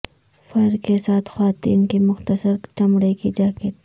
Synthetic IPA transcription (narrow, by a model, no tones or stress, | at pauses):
fɐɾɾkesaːt̪ʰxwaːt̪ḭːnkimʊxt̪əsəɾt͡ʃɐmɽekid͡ʒaːket̪